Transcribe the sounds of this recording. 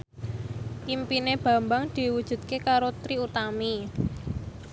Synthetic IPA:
ʔimpineb̥ä̤mbaŋd̪̥i̤wud̥ʒ̥ṳt̪̚kekaɾot̪ɾiut̪ami

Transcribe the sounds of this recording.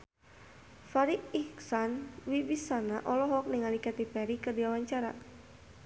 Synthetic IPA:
faɾiʔiksanwibisanaʔɔlɔɦɔk̚niŋalikɛt̪ipɛɾikərdiwawaɲt͡ʃaɾa̰

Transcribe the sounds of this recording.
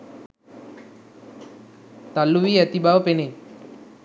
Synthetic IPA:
t̪alːuʋiːɛt̪ibʱaʋpene

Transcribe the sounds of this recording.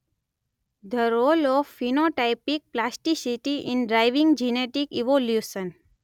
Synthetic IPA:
d̪ʱəɾoːlɔʋfinoʈaɪpik̚plasʈisiʈiʔĩnɖɾaɪʋĩŋɡd͡ʒineʈikiʋoljusə̃n

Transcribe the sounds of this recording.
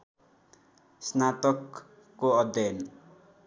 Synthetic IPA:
snat̪ʌkː | oʌd̪jʌjn

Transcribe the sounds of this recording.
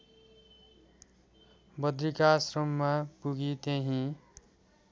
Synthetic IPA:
bʌd̪ɾikasrʌmːapuɡit̪eɦĩ

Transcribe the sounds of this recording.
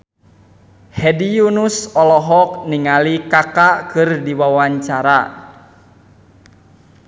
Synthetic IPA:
hɛdijunusɔlɔɦɔk̚niŋalikakakɨrdiwawaɲt͡ʃaɾa

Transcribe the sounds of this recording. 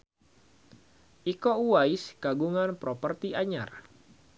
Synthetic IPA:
ʔikouwaiskaɡuŋanpɾɔpərt̪iaɲa̰r

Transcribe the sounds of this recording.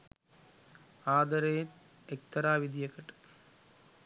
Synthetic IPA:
aːd̪ɐɾejn | ek̚t̪ɐɾaːʋid̪ʱijɐkːɐʈː

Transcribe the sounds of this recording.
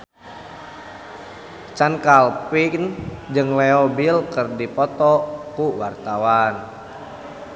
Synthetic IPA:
t͡ʃankalpiknd͡ʒɨŋlɛɔbilkɨrdipɔt̪ɔkuwart̪awan

